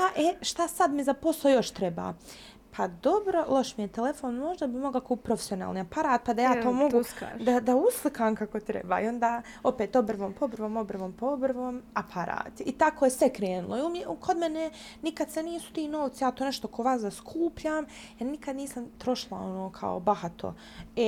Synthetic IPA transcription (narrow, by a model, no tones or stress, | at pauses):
paʔeʃt̪asad̪mizapo̞slˠojo̞ʃt̪ɾeba̰ː | pʰad̪obɾo̞lˠo̞ʃmijet̪ele̞foːnmo̞ʒd̪abimo̞ɡlakuːp̚pɾo̞fe̥sio̞na̰ːlniapaɾaːt̪̚pad̪ajaːt̪oːmoɡṵd̪ad̪auslˠɨkʰaːmkako̞t̪ɾḛba̰ːio̞nd̪aː | o̞peːt̪obr̩ʋoːmpobrʋoːmobr̩ʋoːmpobrʋoːmapʰaɾa̰ːt̪it̪akojesʋekɾeːnulˠoiumjekʰod̪menenikad̪seniːsu̥t̪iːnoːʋt̪sajaːt̪oːne̞ʃt̪okoʋaːszaskʰuːpʎaːmjeɾnikad̪niːsamt̪ɾo̞ʃilˠa̰o̞noːkʰa̰o̰bahat̪ʰo̰ | e